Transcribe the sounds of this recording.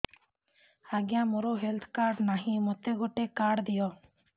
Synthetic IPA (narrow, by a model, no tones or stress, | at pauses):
aːɡjãːmoɾoːɦelt̪ʰkaːɾɖnaːɦĩːmot̪eːɡoʈeːkaːɖd̪ɪjɔː